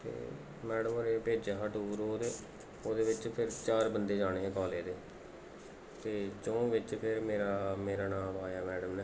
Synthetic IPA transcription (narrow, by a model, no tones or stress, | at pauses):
t̪ḛː | mɛːɖəmoːɾeːpeːd͡ʒaːɦəʈuːɾɦoːd̪eː | oːd̪eːʋɪt͡ʃpʰɪɾt͡ʃaːɾbənd̪eːd͡ʒaːɽ̃eːɦɛ̃ːkɔːleːd̪eː | t̪eːd͡ʒõːʋɪt͡ʃpʰɪɾmeːɾaːmeːɾaːnãːmaːjaːmɛːɖəmnɛː